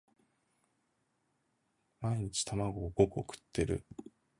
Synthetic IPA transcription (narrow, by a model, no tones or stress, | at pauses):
maiɲ̟it͡ɕi̥t̪ʰamaɡo̞ɡokɯokɯ̟̥t̪ʰːe̞ɾɯ̟̰